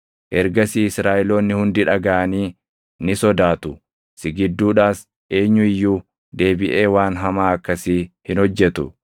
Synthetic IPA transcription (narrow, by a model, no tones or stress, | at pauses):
ʔɛɾɡɐsiːɪsɾaːʔɪlo̞ːnːɪhʊnd̪ɪᶑɐɡaːʔɐniː | nɪsɔd̪aːt̪ʊ | sɪɡɪd̪ːuːᶑaːs | ʔe̞ːɲːʊɪjːuː | d̪e̞ːbɪʔe̞ːwaːnɦɐmaːɐkːɐsiːhɪnhɔd͡ʒːɛt̪ʊ̰